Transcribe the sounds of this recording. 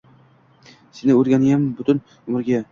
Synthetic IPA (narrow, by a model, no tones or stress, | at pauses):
senɪɵɾɡʲanɪjambʊt̪ʊn | mʊɾɡʲa